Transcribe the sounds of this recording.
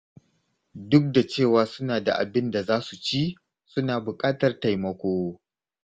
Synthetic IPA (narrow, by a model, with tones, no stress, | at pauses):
dʊ˦k̚da˨t͡ʃeː˦˨waː˨˦sʊ˦naː˨da̰˨ʔa̰˨bɪ˦nda˨zaː˦su˨t͡ʃi˦ | sʊ˦naː˨bʊ˨kʼaː˦tɐ˨rta˨jmɐ˨kʷoː˦